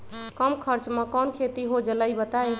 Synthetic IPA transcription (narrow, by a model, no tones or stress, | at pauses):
kəmkʰəɾt͡ʃmẽkɔnkʰet̪iɦod͡ʒələjbət̪aj